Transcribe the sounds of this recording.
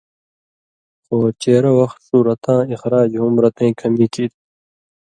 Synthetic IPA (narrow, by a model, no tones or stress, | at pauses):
xoːt͡ɕeːɾɐwɐxt̪suːɾɐt̪ãːixɾaːd͡ʑɦumɾɐt̪ẽːkʰɐmiːkʰiːd̪